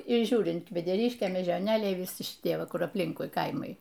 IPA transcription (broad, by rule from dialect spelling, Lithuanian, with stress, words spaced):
ˈʒʲuːrʲɪnt kʋʲɛdʲɛˈrʲɪʃʲkʲeː mʲeːʒʲoːˈnʲeːlʲɛɪ ʋʲɪˈsʲɪ ʃʲɪˈtʲiɛ ˈʋɐ ˈkʊr ɐpʲˈlʲɪŋkʊɪ ˈkɐɪmɐɪ